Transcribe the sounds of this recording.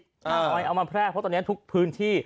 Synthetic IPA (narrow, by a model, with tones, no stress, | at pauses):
a˧˩˨a˧jʔa˧wmaː˧pʰɾɛː˥˩k̚ʰɔ˦˥t̪ɔː˧n˩˦˥t̪ʰu˦˥k̚pʰɯː˦˥nt̪ʰiː˥˩